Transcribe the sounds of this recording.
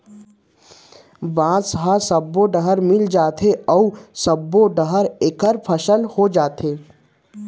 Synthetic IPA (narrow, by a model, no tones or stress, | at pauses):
bãːzɦasɐbːoɖəɦəɾmɪld͡ʒaːt̪ʰeʔɔusɐbːoɖəɦəɾeːkəɾpʰəʃəlhod͡ʒaːt̪ʰeː